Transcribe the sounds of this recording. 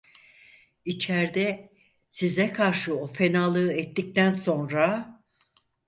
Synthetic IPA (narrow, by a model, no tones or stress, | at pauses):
it͡ʃʰɛɾd̪ɛ | sizɛkʰaɾʃɯo̞fenalˠɯɛt̪ːic̚t̪ænso̞nɾa